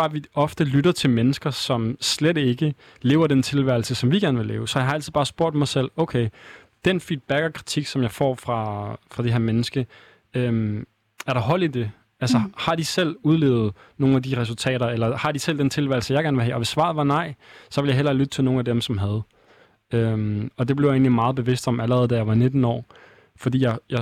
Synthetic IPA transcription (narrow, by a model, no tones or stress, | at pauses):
ɑ̈ːʋiɒ̽fd̥əlyɾɐt͡sʰe̝lmenəsɡ̥ɐsɒ̽msled̥e̝ɡ̥ə | le̝ːʊɐdent͡sʰe̝lʋæɐl̩səsɒ̽mʋiɡ̥æɐnəʋe̝lḛːʊsɒjɑ̈ɪɑ̈ælt͡sʰið̩̥ˠɑːsb̥o̝ɐ̰d̥mɑ̈ɪsel̰oʊkʰeɪ | d̥enfid̥̚b̥æɡ̥ɒkʰʁit͡sʰiɡ̥sɒ̽mjɑ̈ɪfɒ̰ːfʁɑ̈fʁɑ̈d̥eɦe̝ɐmenəsɡ̥ə | øm | æɐɾ̥ɑ̈ɦɒ̽l̰id̥e̝ | ælsɐhɑ̈d̥isel̰uð̞ˠlḛːʊð̩ˠ | no̝ːnæd̥iʁɛsult͡sʰɛ̰ːɾɐelɐhɑ̈d̥isel̰d̥ent͡sʰe̝lʋæ̰ɪl̩səjɑ̈ɪɡ̥æɐnʋe̝ɦɛ̰ːɒ̽ʋe̝sːʋɑ̈ð̩ˠʋɑ̈nɑ̈ɪ̰sɒ̽ʋe̝ljɑ̈ɪɦel̰ɐlyd̥ət͡sʰe̝lno̝ːnæd̥emsɒ̽mɦæð̞ˠ | ømɒ̽d̥e̝b̥le̝ʊe̝̰ːnlimɑ̈ːð̞̩ˠb̥e̝ʋe̝sd̥ɒ̽mæləʁɛð̞ˠd̥æjɑ̈ʋɑ̈ne̝d̥n̩ɒ̰ː | fɒ̽d̥ḭːjɑɪjɑ̈